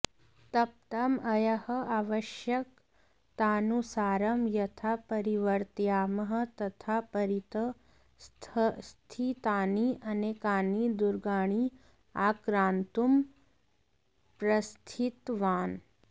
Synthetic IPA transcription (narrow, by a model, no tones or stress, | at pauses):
t̪ɐp̚t̪ɐmɐjɐhɐ̆aːʋɐʃjɐk̚ | t̪aːnusaːɾɐmjɐt̪ʰapɐɾiʋɐɾt̪jaːmɐɦɐ̆t̪ɐt̪ʰapɐɾit̪ɐ | st̪ʰst̪ʰit̪aːniʔɐnekaːnid̪uɾɡaːɽ̃i | aːkɾaːnt̪um | pɾɐst̪ʰit̪ʋaːn